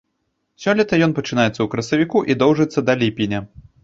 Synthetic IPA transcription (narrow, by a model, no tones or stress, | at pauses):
sʲɔlʲɛt̪ɐjɔnpɐt͡ʂɨnajɛt̪sːɐwkɾɐsɐvʲikuʔid̪ɔwʐɨt̪sːɐd̪ɐlʲipʲinʲɐ